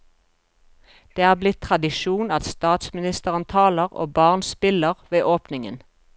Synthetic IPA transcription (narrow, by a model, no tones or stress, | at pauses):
d̪̥eːæːʁblɪt̪ʰʁɑd̪ɪʃuːnɑt̪st̪ɑːt̪smɪnɪst̪əʁənt̪ʰɑːləʁo̰ːbɑːʁnspɪləʁʋeːʔoːpnɪŋə̰n